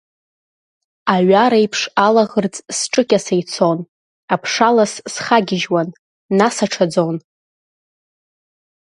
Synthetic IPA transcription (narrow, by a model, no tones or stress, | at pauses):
aɥaɾajpʰʂalaʁərt͡sʼsʈ͡ʂʼɨkʲʼasejt͡sʰon | apʰʂalassχaɡʲɪʒwanː | asaʈ͡ʂʰad͡zon